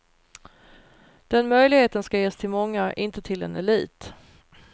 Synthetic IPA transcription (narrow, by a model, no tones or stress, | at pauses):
d̪̥ɛnmœjlɪɡheːt̪ənskajeːst̪ʰɪlmɔŋːaʔɪnt̪ət̪ʰɪlɛ̰nɛliːt̪